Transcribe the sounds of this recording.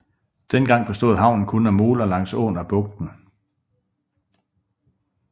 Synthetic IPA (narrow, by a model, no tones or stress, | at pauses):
d̥enɡ̥ɑ̈ŋ̰b̥esd̥o̝̰ð̩ˠɑ̈ʊ̰nn̩kʰɔnæmo̝ːlɐlɑ̈ŋ̰sɔ̰ːnæb̥ɔ̽ɡ̥̚d̥n̩